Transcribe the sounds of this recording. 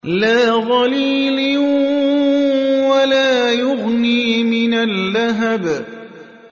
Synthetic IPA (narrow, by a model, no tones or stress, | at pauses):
laːɣɑliːl | walaːjʊɣniːmɪnalːaɦab